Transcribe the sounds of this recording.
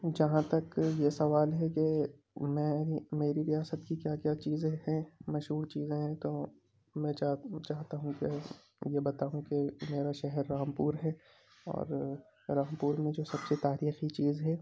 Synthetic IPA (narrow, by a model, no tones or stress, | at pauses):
d͡ʒɐɦãt̪ɐkjesɐʋaːlɦɛke | mɛ̃ːimeːɾiɾijaːsət̪kikjaːkjaːt͡ʃiːzẽhɛ̃mɐʃɦuːɾt͡ʃiːzẽɦɛ̃t̪oː | mɛ̃at͡ʃaːɦt̪aɦũke | jebɐt̪aːɦũkemeːɾaʃɛɦɛɾːaːmpuːɾɦɛː | ɔ̰ːɾ | ɾãːmpuːɾmẽd͡ʒoːsɐbset̪aːɾiːxit͡ʃiːzɦɛː